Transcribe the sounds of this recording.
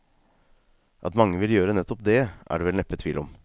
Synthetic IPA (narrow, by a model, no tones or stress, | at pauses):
ʔɑ̰t̪mɑŋːəʋɪljøːɾənɛt̪ːɔp̚d̪ɛʔæ̰ːɖeʋɛlnɛpːət̪ʰʋiːlɔm